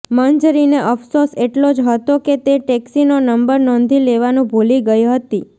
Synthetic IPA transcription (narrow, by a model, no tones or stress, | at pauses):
mənd͡ʒɾineʔəfsoseʈlod͡ʒɦət̪oket̪eʈɛksinonəmbəɾnɔ̃nd̪ʱileʋanũbʱoliɡəjɦət̪i